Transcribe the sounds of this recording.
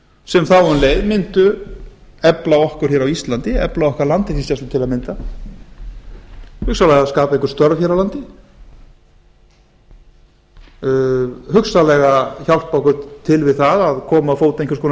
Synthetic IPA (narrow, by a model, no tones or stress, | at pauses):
sɛmθawʏnleːjðmɪnt̪ʏ | ɛplawɔhkʏɾ̥çɛɾawist̪lant̪ɪɛ̰plaɔhkaɾlant̪ɪɾθist̪ɛst̪ʏt̪ʰɪlaðmɪnt̪a | hʏksalɛɣaðskaːpaẽjŋkʏɾ̥st̪œɾvçɛɾawlant̪ɪ | hʏksalɛɣaçal̥t̪pakʏt̪ʰːɪlvɪðθaðaðkʰɔːmaːfoːwt̪ẽŋkʏ̥ɾskoːn